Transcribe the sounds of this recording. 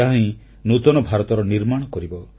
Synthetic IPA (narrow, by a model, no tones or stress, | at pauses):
aɦĩ | nut̪ɔnɔbʱaɾɔt̪ɔɾɔniɾmaɽ̃ɔkɔɾibɔ